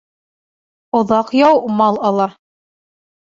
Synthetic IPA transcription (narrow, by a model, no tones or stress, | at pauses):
ŏðɑqjɑwmɑlˠɑlˠɑ